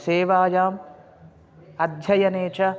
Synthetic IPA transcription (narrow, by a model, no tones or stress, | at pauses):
seːʋaːjaːm | ɐd̪ʱjɐjɐneːt͡ʃɐ